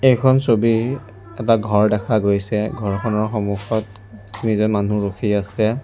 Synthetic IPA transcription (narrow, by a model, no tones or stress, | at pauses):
ejkʰɔnsobi | ɛtaɡʱɔɹdɛkʰaɡojsɛɡʱɔɹkʰɔnɔɹxɔmuxɔt | tumizɔmanuɹokʰiasɛ